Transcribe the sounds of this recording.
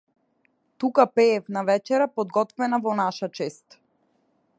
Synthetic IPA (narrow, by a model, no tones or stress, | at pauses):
t̪ukapɛːfnavɛt͡ʃɛɾapɔd̪̚ɡɔt̪vɛnavɔnaʃat͡ʃɛst̪